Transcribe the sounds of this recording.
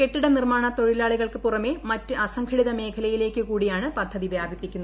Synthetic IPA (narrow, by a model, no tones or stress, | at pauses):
ke̞ʈːiɽenirmaːɳɐt̪o̞ɻilaːɭiɣɐɭkɨpurɐmemɐtːɨʔɐsɐŋkʰɐɽiðɐme̞ːkʰɐlɐjile̞ːkːɨkuːɽijaːɳɨpɐd̪ʱːɐðiʋjaːbʱipːikʲːunː